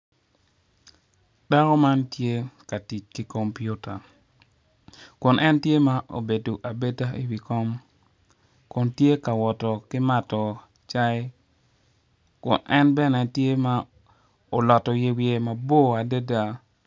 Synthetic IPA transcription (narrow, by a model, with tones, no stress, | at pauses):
da˦kɔ˦ma˦ntje˦ka˨ti˨t͡ʃki˨ko˨mpju˦ta˨ | kʊ˨nʔɛ˦ntje˦ma˦ʔo̰˨be˨do˨ʔa˨be˦ta˦ʔi˨wi˨kɔ˦m | kʊ˨ntje˦ka˨wɔ˨tɔ˨kɪ˦ma˦tɔ˨ | t͡ʃa˦j | kʊ̰˨nʔɛ˦nbɛ˦nɛ˨tje˦ma˦ | o˨lɔ˨tɔ˨je˦wje˦ma˨bo˦a˨de˦da˦